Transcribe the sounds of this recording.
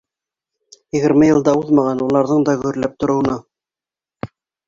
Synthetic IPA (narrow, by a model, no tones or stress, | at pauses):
jɘ̆ɣɘ̆ɾmɘjɤ̆lˠd̪ɑuðmɑʁɑnulˠɑɾðɤɴd̪ɑɡɵ̆ɵɾlæp̚t̪ŏɾŏwɤ̆nɑ